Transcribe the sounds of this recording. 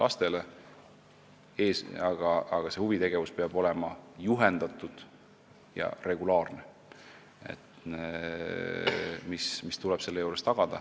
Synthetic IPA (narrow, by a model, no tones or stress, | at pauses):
lʔɑst̪e̞le | eːsɑɡ̥ɑɑɡ̥ɑse̞huvit̪e̞ɡe̞vuspeɑb̥o̞lɛ̞mɑjuɦe̞nd̪̥ɑt̪ːˑud̪̥ | jɑ̰re̞ɡ̥ulɑːrne | ḛt̪ | mismist̪ulɛb̥se̞lːejuːɾe̞st̪ɑɡ̥ɑd̪̥ɑ̰